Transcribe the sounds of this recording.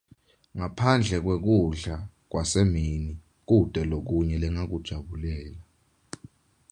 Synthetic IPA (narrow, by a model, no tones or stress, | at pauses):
ŋapʰand͡ɮʱɛk̬wek̬uɮa | k̬wasemini | k̬ud̥ʱɛlok̬uɲɛlɛŋak̬ud̥ʒ̥ʱaɓulɛːla